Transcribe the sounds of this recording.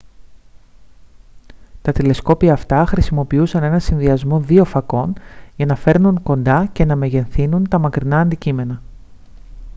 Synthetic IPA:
t̪ɐt̪ile̞sko̞piɐːft̪ɐxɾisimo̞piusɐne̞nɐsinðiɐzmo̞ðio̞fɐko̞nʝɐnɐfe̞ɾnuŋko̞nd̪ɐce̞nɐme̞ʝe̞nθinunt̪ɐmɐkɾinɐːnd̪icime̞nɐ

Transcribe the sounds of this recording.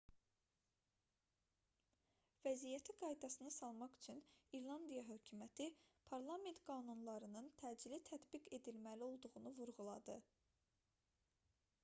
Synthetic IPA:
væzijæt̪ʰiɡɑjd̪ɑsɯnɯsɑlˠmɑχy̥t͡ʃʰyniɾlˠɑnd̪ijɑɦø̞cʰymæt̪ʰipʰɑɾlˠɑme̞nt̪ɡɑːnunlˠɑɾɯnɯnt̪ʰæːd͡ʒilit̪ʰæt̪biɡe̞d̪ilmælio̞lˠd̪uʁunuvuɾɣulˠɑd̪ɯ

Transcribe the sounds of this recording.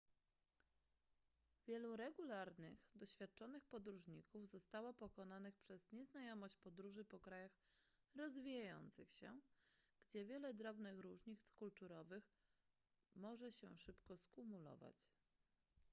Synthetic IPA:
vʲjɛluɾɛɡulaɾnɘ̰xd̪ɔɕfʲjat̪̚t͡ʂɔnɘxpɔd̪ɾuʐɲikuvzɔst̪awapɔkɔnanɘxpʂɛzɲɛznajɔmɔɕt͡ɕpɔd̪ɾuʐɘpɔkɾajax | ɾɔzvʲijajɔ̰nt̪sɘxɕɛ̰ɡ̥d͡ʑɛvʲjɛlɛd̪ɾɔbnɘxɾuʐɲit̪skult̪uɾɔvɘx | mɔʐɛɕɛ̰ʂɘpkɔskumulɔ̰va̰t͡ɕ

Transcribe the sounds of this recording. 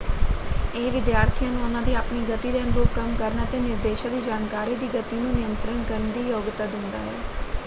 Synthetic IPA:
eːʋɪd̪jaːɾt̪ʰijãːnũːʊnãːd̪iːaːpniːɡət̪iːd̪eːnbuːkəmkəɾnaːt̪eːnɪɾd̪eːʃãːd̪iːd͡ʒaːnkaːɾiːd̪iːɡət̪inũːnɪjənt̪ɾənɡəɾnd̪iːjoːɡt̪ːaːd̪ɪnd̪a̰ːɦɛ̰ː

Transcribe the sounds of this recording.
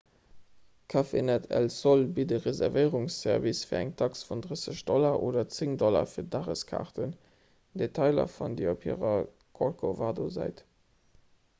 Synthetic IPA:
kʰaːfḛnɛtʰɛ̰lsolbidəʁezɛʁvəɪʁuŋsːɛʁvisfiːɐæŋtʰɑksfundʁəsəɕd̥ɔlɐʔoːdɐt͡seŋdɔlɐ̰fiːɐdaʁə̰skʰa̰ʁtən | d̥etʰɑɪlɐ̰fundiopʰḭəʁɐ | kʰolkʰovaːdozæ̰ɪt

